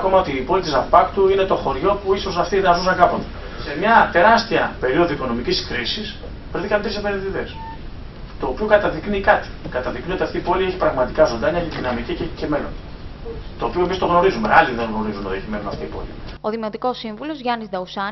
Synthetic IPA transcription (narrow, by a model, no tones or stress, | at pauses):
ɐko̞mɐo̞t̪iːpo̞lit̪izɐfpɐkt̪uine̞t̪o̞xo̞ɾʝo̞puiso̞sɐft̪inɐzusɐkɐpo̞t̪e̥ | semɲɐt̪e̞ɾɐst̪iɐpe̞ɾio̞ðuiko̞no̞miciskɾisis | pɾθikɐmet̪ɾisepeɾenðiðe̞s | t̪o̞ːpio̞kɐt̪ɐðiknikɐt̪i̥kɐt̪ɐðikniot̪iɐft̪iipo̞lieçi̥pɾɐɣmɐt̪ikɐzond̪ɐɲɐeçeðinɐmicicece̞me̞no̰n | t̪o̞ːpio̞e̞mist̪o̞ɣno̞ɾizumealiðe̞ŋɣno̞ɾizunot̪ieçime̞nunɐ̰ft̪iipo̞̰lḭoðimot̪iko̞siɱvulo̞zʝɐnizd̪ɐusɐ